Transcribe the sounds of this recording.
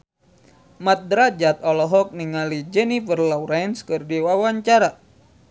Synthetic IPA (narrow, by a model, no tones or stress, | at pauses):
mat̪̚dɾad͡ʒat̪ɔlɔɦɔk̚niŋalid͡ʒɛnifərlauɾajnskɨrdiwawaɲt͡ʃaɾa